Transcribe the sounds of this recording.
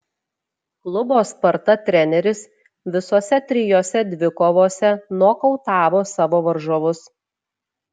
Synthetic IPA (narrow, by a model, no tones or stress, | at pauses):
klˠʊboːspɐɾt̪ɐt̪ʲɾʲɛnʲɛɾʲɪs | ʋʲɪsoːsʲɛt̪ʲɾʲɪjoːsʲɛd̪ʲʋʲɪkoːʋoːsʲɛnuɔkɔʊt̪ɑːʋoːsɑːʋoːʋɐɾʒoʋʊs